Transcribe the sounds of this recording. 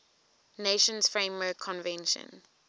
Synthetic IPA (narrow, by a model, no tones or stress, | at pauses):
neʃə̃nsfɹẽmwɜːˑkʰːɔ̃nvɛ̃nʃə̰̃n